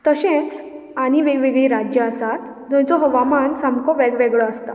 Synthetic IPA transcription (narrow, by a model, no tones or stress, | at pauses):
t̪əɕẽnt͡s | aɽ̃iʋeɡʋeɡɭiɾad͡ʑjəəsat̪ | d̪ɔ̃jt͡sɔɦəʋamansamkɔʋɛɡʋɛɡɭɔəst̪a